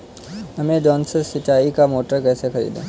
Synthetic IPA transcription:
əmẽd͡ʒɔːnsəsɪʈaːikamoːʈəɾkəːsekʰəɾḭːd̪ḛ

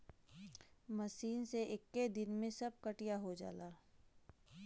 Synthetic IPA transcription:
mɐsiːnseʔɪkːed̪ɪnmẽsɐb̚kɐʈijaɦod͡ʒa̰ːlaː

